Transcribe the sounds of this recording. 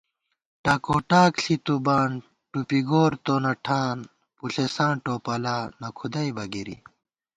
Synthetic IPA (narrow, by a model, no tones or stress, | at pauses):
ʈɐkoːʈaːkɬit̪ubaːn | ʈupiɡoːɾt̪oːnɐʈʰãːn | puɬesãːɳʈoːpɐlaːnɐkʰud̪ɐjbɐɡiɾḭ